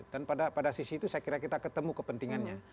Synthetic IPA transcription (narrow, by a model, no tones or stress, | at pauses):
danpadapadasisiːt̪usajakiɾakit̪akət̪əmukəpənt̪iŋanɲa